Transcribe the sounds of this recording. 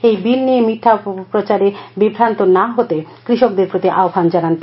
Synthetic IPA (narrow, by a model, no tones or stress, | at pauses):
ejbilnimiʈ̪ʰːapɾot͡ɕaɾebibʱɾant̪onaɦot̪ekɾiʃok̚d̪eɾpɾot̪iʔaobʱand͡ʑanant̪